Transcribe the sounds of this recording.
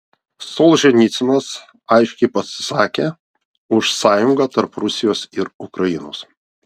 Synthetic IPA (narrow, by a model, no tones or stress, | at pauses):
solˠʒʲɛnʲit̪sʲɪnɐs | ɐɪʃʲkʲɛɪpɐsʲɪ̥sɑːkʲeː | ʊʃsɑːjʊŋɡaːt̪ɐɾpɾʊsʲɪjoːsɪɾʊkɾɐjɪnoːs